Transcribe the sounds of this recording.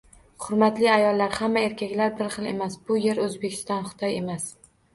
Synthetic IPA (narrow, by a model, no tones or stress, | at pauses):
χʊɾmat̪lɪajɒlˠːaɾhamːae̞ɾkʲakʲlaɾbɪɾχɨlˠe̞̰masbʊje̞ɾɵzbekʲʰɪst̪ɒnχʊ̥t̪ʰɒje̞mas